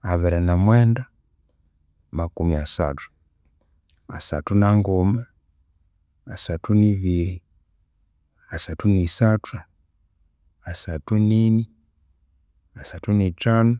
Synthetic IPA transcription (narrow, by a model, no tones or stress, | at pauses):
avɛɾɛnamwɛnda | makumiasa̰tu̥ | a̰sa̰tunaŋɡɔma | asatuniviɾi | asatunisatʰu | asatunini | asatunitanu